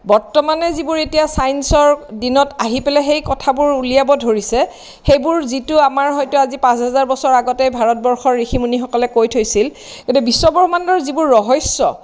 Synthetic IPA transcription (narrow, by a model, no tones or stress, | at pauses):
bɔɹtɔmanɛzibʊɹetijasajnsɔɹdinɔtaɦipɛlɛxejkɔtʰabʊɹulijabɔdʱoɹisɛ | xejbʊɹzitʊamaɹɦɔjtʊazipãsɦɛzaɹbɔsɔɹaɡɔtɛbʱaɹɔt̚bɔɹxɔɹːixʰimunixɔkɔlɛkojtʰojsil | kodɛbisːɔbɔɹxɔmandɔɹzibʊɹːɔɦɔjsːɔ